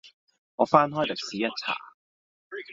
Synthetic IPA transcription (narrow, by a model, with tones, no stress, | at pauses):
ʔɔː˨˧faː˥nɦɔː˥˩jle˨˩k̚siː˨˦jɐ˦˥t̚t͡sʰa̰ː˨˩